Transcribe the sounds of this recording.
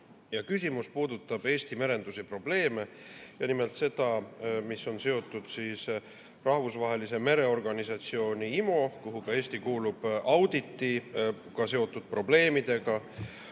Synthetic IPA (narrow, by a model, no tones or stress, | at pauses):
jɑkysʲimuspuːd̪̥ut̪ːˑɑb̥e̞ːst̪ime̞ɾe̞nd̪̥usepro̞b̥le̞ːme̞jɑnime̞lt̪se̞d̪̥ɑmiso̞nse̞o̞t̪ːˑud̪̥siːs | rɑhvusvɑɦe̞lise̞me̞ɾe̞o̞rɡ̥ɑnisɑt̪sio̞ːniimo̞kuɦukɑe̞ːsʲt̪ikuːlub̥ɑwd̪̥it̪ːikɑse̞o̞t̪ːˑud̪̥̚pro̞ble̞ːmid̪̥e̞ɡ̥ɑ